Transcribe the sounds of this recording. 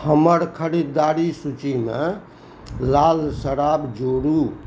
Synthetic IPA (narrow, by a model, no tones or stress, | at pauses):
həməɾkʰəɾid̪ːaɾisut͡ʃime | lalsəɾabd͡ʒoɾu